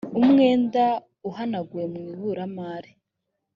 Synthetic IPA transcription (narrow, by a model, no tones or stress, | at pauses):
umŋe̞ːnda | uhanaɡuemŋiβuɾamaːɾi